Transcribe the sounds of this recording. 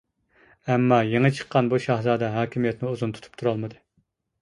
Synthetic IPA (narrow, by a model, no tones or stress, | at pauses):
ɛmːɑːjeŋət͡ʃʰə̥qːɑnbuʃɑɦzɑːd̪ɛɦɑːkʲʰimijɛt̪nɪuzunt̪ʰt̪ʰu̥p̚t̪ʰuɾɑlˠmɨd̪ɨ